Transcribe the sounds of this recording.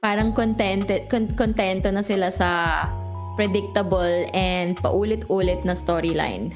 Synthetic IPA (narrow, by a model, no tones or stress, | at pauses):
paːɾɐŋkont̪ɛnt̪ɛkonkont̪ɛnt̪onɐsɪlasɐ | pɾɛd̪ɪk̚t̪ɐbɐlʔɛnd̪̚pɐ̰ʔuːlɪt̪ʔuːlɪt̪̚nɐst̪oːɹɪla̰jn